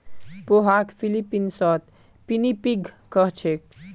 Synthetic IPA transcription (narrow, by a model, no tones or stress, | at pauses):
poɦakpʰilipːinsɔt̪ | pinipiɡʱ | kʌɦt͡ʃʰek̚